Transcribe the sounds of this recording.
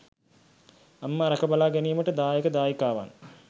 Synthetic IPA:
amːaɾɐkəbalaːɡæniːməʈəd̪aːjekəd̪aːjikaːʋa̰n

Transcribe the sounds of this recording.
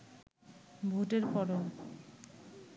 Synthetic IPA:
bʱuʈeɾpɔɾo

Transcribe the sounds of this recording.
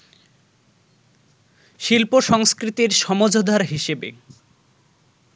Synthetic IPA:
ʃilpoʃɔŋskɾit̪iɾʃɔmod͡ʑʱod̪ʱaɾɦiʃebḛ

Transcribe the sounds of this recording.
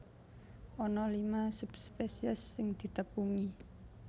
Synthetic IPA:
ʔɔnɔlimasupspesiəsːɪŋd̪̥i̤t̪əpuŋi

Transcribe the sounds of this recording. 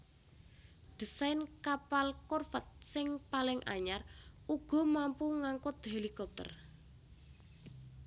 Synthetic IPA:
d̥i̤sajnkapalkɔrfət̪̚sɪŋpalɪŋʔa̰ɲaruɡ̥ɔ̤mampuŋaŋkʊt̪̚ɦelikɔp̚t̪ə̰r

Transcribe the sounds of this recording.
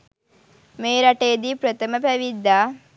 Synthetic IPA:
meːɾaʈejd̪iːpɾət̪əməpæʋid̪ːaː

